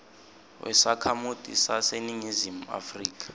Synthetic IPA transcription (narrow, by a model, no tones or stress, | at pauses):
wʔɛ̰sakʰamud̥ʱʼḭsaseniɲizimua̰friːk̬ʼḁ